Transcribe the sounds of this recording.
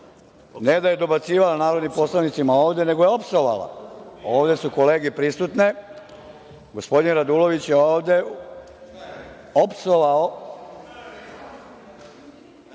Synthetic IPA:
ne̞d̪aje̞d̪o̞bat̪siːʋalanaːɾo̞d̪nimpo̞slˠaʋnit̪simao̞ːʋd̪e̞ne̞ɡojeo̞psoʋa̰la̰o̞ːʋd̪e̞suko̞le̞ːɡepɾist̪ut̪ne | ɡo̞spo̞d̪inɾad̪uːlo̞ʋit͡ɕje̞oːʋd̪e̞ | opsoʋao

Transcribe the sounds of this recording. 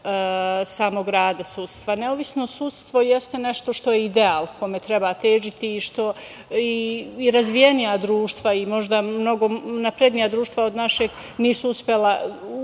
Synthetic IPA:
saːmo̞ɡɾaːd̪asuːt̪st̪ʋaneoʋisnosut̪st̪ʋo̞jest̪ene̞ʃt̪o̞ʃt̪o̞jeid̪eaːlˠkʰojmet̪ɾe̞bat̪eːʒit̪iːʃt̪o̞ | iːɾazʋije̞nijad̪ɾuːʃt̪ʋaimo̞ʒd̪amno̞ɡo̞napɾed̪nijad̪ɾuːʃt̪ʋao̞d̪naʃeɡ | niːsuuspjela

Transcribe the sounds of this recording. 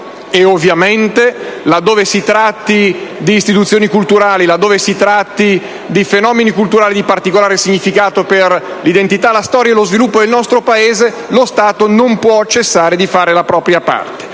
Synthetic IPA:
eovːjament̪elad̪ːoːvesit̪ɾat̪ːid̪iːst̪it̪ut̪sːjoːnikult̪uɾaːlilad̪ːoːvesit̪ɾat̪ːi | d̪ifenɔːmenikult̪uɾaːlid̪ipart̪ikolaːɾesiɲːifikaːt̪operlid̪ent̪it̪alast̪ɔːɾjaelozvilupːod̪elnɔst̪ɾopaeːze | lost̪aːt̪onompwɔt͡ʃesːaːɾed̪ifaːɾelapɾɔːpɾjapa̰rt̪e̥

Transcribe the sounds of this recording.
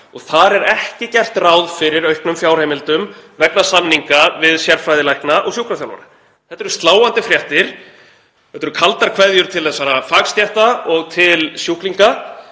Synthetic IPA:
ɔɣθaɾɛɾɛhcɪcɛr̥t̪raːwðfɪɾɪɾœɥhknʏmfjaːwɾ̥hejmɪlt̪ʏmvɛknasanːiŋkavɪðsjɛɾfajðɪlajknaʔɔɣsjuhkɾafjawlva̰ɾa | θɛ̥ht̪ːɛɾʏ̥st̪laːwant̪ɪfɾjɛht̪ɪɾ̥ | ɛht̪ːɛɾʏkʰalt̪aɾ̥kʰvajðjʏɾ̥t̪ʰɪlðɛsaɾafaːkst̪jɛht̪aɔɣt̪ʰɪlsjukliŋka

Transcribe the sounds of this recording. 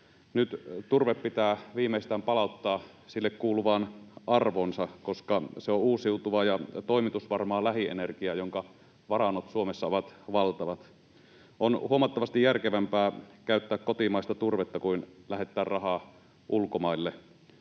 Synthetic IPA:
nyt̪t̪urʋeppit̪æːʋiːmeˑist̪æːmpɑlɑˑut̪ːɑː | silːekkuːluʋɑːnʔɑrʋonsɑkoskɑseouːsiut̪uʋɑːjɑt̪oˑimit̪usʋɑrmɑːlæhiʔḛnerkiɑːjoŋkɑ | ʋɑrɑnːot̪suomesːɑoʋɑt̪ʋɑlt̪ɑʋɑt̪ | ʔonhuomɑt̪ːɑʋɑst̪ijjærkeʋæmpæːkæˑyt̪ːæːkkot̪imɑˑist̪ɑt̪urʋet̪ːɑkuinlæhet̪ːˑæːrrɑhɑː | ʔulkomɑˑilːe

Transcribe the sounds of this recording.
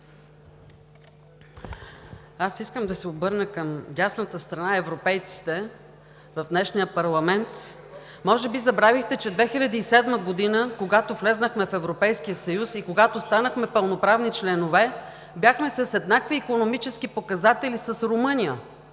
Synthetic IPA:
asiskəmd̪ɐsɛobɤɾnəkəmɟʲasnət̪əst̪ɾɐnaɛvɾopɛjt̪si̥t̪ɛ | vɐvd̪nɛʃnijəpɐɾlˠɐmɛnt̪ | mɔʒɛbizɐbɾavixt̪ɛt͡ʃɛd̪vɛxilʲɐd̪iːsɛd̪məɡod̪inəkoɡat̪ovlɛznəxmɛfɛvɾopɛjskijəsɐjusikoɡat̪ost̪anəxmɛpəlˠnopɾavnit͡ʃlɛnovɛ | bʲjaxmɛsəsɛd̪nakviːkonomit͡ʃɛsk̟ipokɐzat̪ɛlʲisəsɾomɤnijə

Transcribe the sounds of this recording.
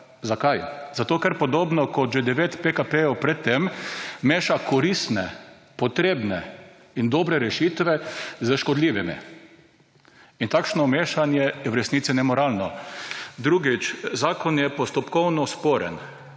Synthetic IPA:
zakajzat̪oːkɛɾpɔd̪oːbnɔkɔʒed̪ɛʋeːt̪pekapejɔwpɾɛt̪ːemːeːʃakʰɔɾist̪nɛ̰ | pɔt̪ɾeːbnɛ̰ | ind̪oːbɾɛɾɛʃiːt̪ʋɛzəʃkɔd̪liːʋimḭ | int̪akʃnɔmeːʃanjɛjɛwɾɛsnit̪sinɛmɔɾaːlnɔ | d̪ɾuɡit͡ʃzaːkɔnjɛpɔst̪ɔpkɔwnɔspoːɾɛ̰n

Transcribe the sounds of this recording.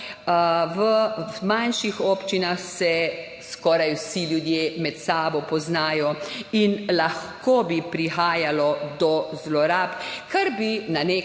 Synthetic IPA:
ʋəmanʃixɔːpt͡ʃinaxsɛ | skɔːɾajwsiljud̪jeːmɛt̪saːbɔpɔznaːjɔinlaxkoːbipɾixaːjalɔd̪ɔzlɔɾapkʰaɾbinane

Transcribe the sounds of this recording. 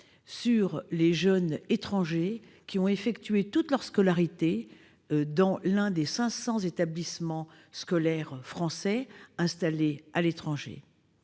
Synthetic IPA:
syʁleʒœnet̪χɑ̃ʒe | kʲiɔ̃efɛkt̪ɥet̪ut̪lœʁskɔlaʁit̪e | d̪ɑ̃lɛ̃d̪esɛ̃sɑ̃zet̪ablismɑ̃ | skɔlɛʁfχɑ̃sɛɛ̃st̪alealet̪χɑ̃ʒḛ

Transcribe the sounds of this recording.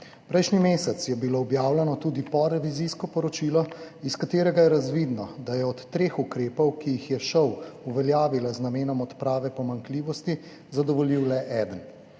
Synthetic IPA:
pɾɛjʃnimeːsɛt̪sjɛbiloːbjaːwlɛnɔt̪uːd̪ipɔɾɛʋiziskɔpɔɾɔt͡ʃiːlɔiskat̪eːɾɛɡajɛɾazʋid̪nɔd̪ajɛɔt̪ːɾeːxukɾeːpɔwkijixjɛʃɔwuʋɛljaːʋilaznameːnɔmɔt̪pɾaːʋɛpɔmaŋkliːʋɔst̪i | zad̪ɔʋɔliwlɛʔɛːd̪ən

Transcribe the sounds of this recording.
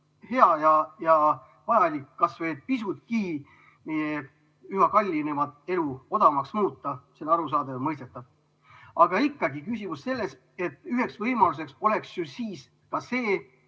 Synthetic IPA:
he̞ɑjɑjɑ | vɑjɑlikːɑsve̞ːd̪̥̚pisut̪̚kiː | meje | yɦɑkɑlʲːinemɑd̪e̞luo̞d̪̥ɑmɑksmuːt̪ːɑselːɑɾus̬ɑːd̪emɤjs̬t̪et̪ːˑɑb̥̚ | ɑɡ̥ɑikːɑɡikysʲimusse̞lːe̞s | e̞t̪ːˑyɦe̞ksvɤjmɑlus̬e̞kso̞le̞ksjusiːs | kɑse̞ː

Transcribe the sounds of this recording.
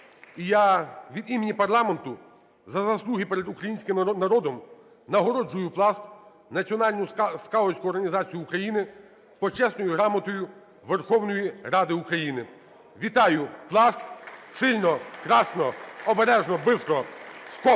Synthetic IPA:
ijaʋʲid̪imenʲipɐrlˠɑment̪ʊ | zɐzɐslˠuɦʲipɛɾed̪ukɾɐjinʲsʲkɪmnɐɾɔd̪ɔm | nɐɦɔɾɔd͡ʒːʊjʊplˠɑst̪ | nɐt͡sʲiɔnɑlʲnʊskɑlˠɔt͡ʃʲkʊɔrɦɐnʲizɑt͡sʲijʊːukɾɐjinɪ | pɔt͡ʃɛsnɔjʊɦɾɑmɔt̪ɔjʊ | ʋerxɔwnɔjirɑd̪ɪukɾɐjinɪ | ʋʲit̪ɑjʊplˠɑst̪̚sɪlʲnɔkɾɑsnɔɔbeɾɛʒnɔbɪskɾɔskɔ

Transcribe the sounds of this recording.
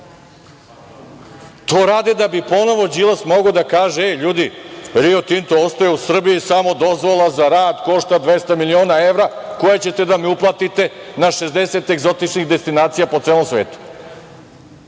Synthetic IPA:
t̪oːɾaːd̪ed̪abipo̞no̞ʋo̞d͡ʑilˠasmo̞ɡod̪akaːʒeʎuːd̪iɾiot̪int̪oost̪ojeusr̩bijisamo̞d̪o̞zʋolˠazaɾaːd̪ko̞ʃt̪ad̪ʋe̞st̪amilio̞ːnaeʋɾako̞jet͡ɕe̞t̪e̞d̪amiuplˠat̪it̪e̞naʃe̞zd̪e̞se̞t̪eɡzo̞t̪it͡ʃnixd̪est̪inaːt̪sijapo̞t̪seːlˠomsʋeːt̪u̥

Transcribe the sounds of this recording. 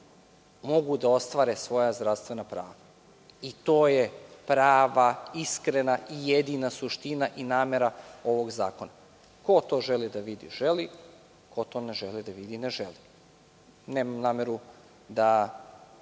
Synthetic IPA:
mo̞ɡud̪ao̞st̪ʋaːɾesʋo̞jazd̪ɾaʋst̪ʋenapɾaːʋa | it̪o̞ːjepɾaːʋaiskɾenaijed̪inasuʃt̪inaʔinaːmeɾao̞ʋo̞ɡzaːko̞na | ko̞t̪o̞ːʒelid̪aʋid̪ḭʒe̞li | kʰo̞t̪o̞neʒelid̪aʋid̪ineʒeli | neːmamnaːmeɾu | d̪a

